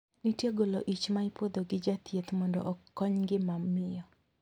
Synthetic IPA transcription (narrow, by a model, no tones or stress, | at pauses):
nitjeɡoloʔit͡ʃmaipod̪oɡɪd͡ʒat̪jet̪mɔndɔ̰ʔɔkːɔɲɡɪmamːɪjɔ